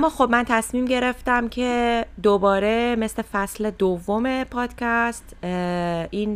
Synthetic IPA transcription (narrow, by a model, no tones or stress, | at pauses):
æmːɒːxo̞bmænt̪ʰæsmiːmɟe̞ɾe̞ft̪æmcʰe̞d̪obɒːɾe̞me̞slefæsle̞d̪ovːo̞me̞pʰɒːd̪̥cʰæst̪ | in